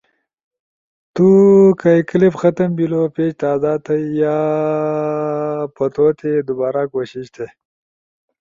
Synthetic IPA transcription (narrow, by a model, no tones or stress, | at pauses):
t̪ukajklipxɐt̪əmbilopet͡ʃt̪aːzaːt̪ɐjaː | pɐt̪ot̪ʰed̪ubaːɾakoɕiɕt̪ʰe